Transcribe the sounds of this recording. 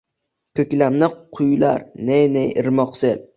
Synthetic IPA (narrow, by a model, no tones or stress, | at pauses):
kʲʰɵkʲlamnɪqʰʊjla̰ɾnenejɪɾmɒqsɪl